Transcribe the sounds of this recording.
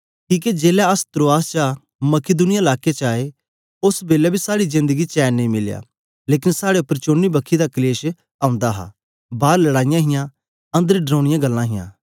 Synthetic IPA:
kiːk̬ed͡ʒeːlɛɐst̪ɾoːaːst͡ʃa | mɐkɪd̪ʊnɪjaɪlaːket͡ʃaːe | ʊsbeːlɛbʱisaːɽizɪ̃nd̪əɡit͡ʃɛːnːẽĩmɪlja̰ː | leːk̬ɪnsaːɽepːəɾt͡ʃoːnːibɐkʰːid̪akleːʃ | ãːʊ̃nd̪aɦa̰ː | baːɾlɐɽaːɪjãɦɪjã | ɐ̃nd̪əɾiɖɾõːɽɪjãɡɐlːãɦɪjã̰ː

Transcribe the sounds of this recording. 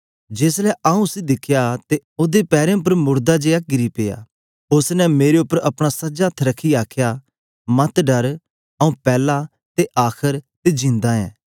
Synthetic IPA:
d͡ʒeːslɛʔɐũsid̪ɪkʰjat̪eoːd̪epɛːɾẽp̬ɐɾmʊɾd̪ad͡ʒeːaɡɪɾipeːja̰ː | ʊsnɛmeːɾeʊpːəɾɐpɽ̃asɐd͡ʒat̪ʰɾɐkʰːiaːkʰjaː | mɐt̪ɖɐɾ | ɐũpɛːla | t̪eʔaːkʰəɾt̪ed͡ʒɪ̃nd̪aːɛ̰̃ː

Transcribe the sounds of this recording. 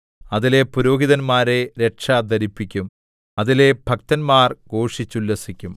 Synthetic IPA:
ɐðile̞puɾo̞ːɦiðɐnmaːɾeɾe̞ʈʂaːd̪ʱɐɾipːikʲːum | ɐðile̞bʱɐk̚t̪ɐnmaːrɡo̞ːʂit͡ɕːulːɐsikʲːum

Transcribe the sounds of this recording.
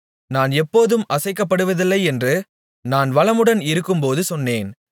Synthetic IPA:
naːnɛpːoːðɯmʔɐsɐɪk̬ːɐpːɐɽɯʋɐðɪlːɐɪɛndrɯ | naːnʋɐlɐmɯɽɐnɪɾɯkːɯmpoːðɯsɔnːeːn

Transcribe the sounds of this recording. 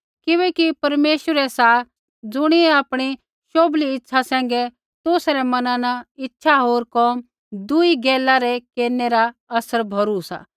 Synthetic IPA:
kɪʋɛːkipɐɾmeːʃəɾɛsa | d͡zʊɽ̃iaːpɽ̃i | ʃoːbliɪtːʃʰasɛ̃ːŋ̆ɡɛ | t̪oːsɾɛmɐnãnaɪtːʃʰaɦoːɾkɔːm | d̪ʊiɡɛːlːaɾɛkeːɾneɾaɐsəɾbʱɐɾusa̰

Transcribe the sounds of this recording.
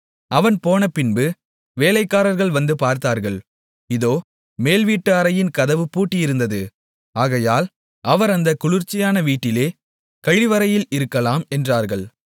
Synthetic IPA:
ɐʋɐnpoːnɐpɪnbɯ | ʋeːlɐɪkːaːɾɐɾɣɐɭʋɐnd̪ɯpaːɾt̪aːɾɣɐɭ | ɪðoː | meːlʋiːʈːɯaɾɐjɪnkɐðɐʋɯpuːʈːɪjɪɾɯnd̪ɐðɯ | aːɣɐjaːl | ʔɐʋɐɾɐnd̪ɐkʊɻʊɾt͡ʃːɪjaːnɐʋiːʈːɪleː | kɐɻɪʋɐɾɐjɪlɪɾɯkːɐlaːmɛndraːɾɣɐɭ

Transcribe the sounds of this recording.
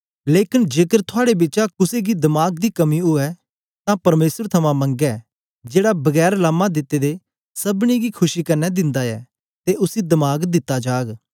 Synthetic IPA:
leːkɪnd͡ʒeːkəɾt̪ʰʊaːɽebɪːt͡ʃakʊseɡid̪ɐmaːɡd̪ikɐmiʊɛ | t̪ãpɐɾmeːsəɾt̪ʰɐmãmɐ̃ŋɡɛ | d͡ʒeːɽabɐɡɛːɾlaːmːãd̪ɪt̪ːed̪e | sɐbniɡikʰʊʃikɐɾnɛd̪ɪ̃nd̪aɛː | t̪eʔʊsid̪ɐmaːɡd̪ɪt̪ːad͡ʒaːɡ

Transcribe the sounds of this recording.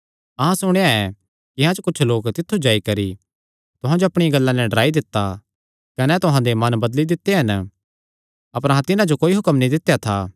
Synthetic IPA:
ɐɦãsʊɽ̃eaɛ̃ | kɪɦãt͡ʃokʊt͡ʃʰloːkt̪ɪt̪ʰːud͡ʒaːikɐɾi | t̪ʊɦãd͡ʒoɐpɽ̃ɪjãɡɐlːãnɛɖɐɾaːid̪ɪt̪ːa | kɐnɛt̪ʊɦãd̪emɐnbɐd̪lid̪ɪt̪ːeɦɐn | ɐpəɾɐɦãt̪ɪnãd͡ʒokoːiɦʊkəmnĩd̪ɪt̪ːjat̪ʰaː

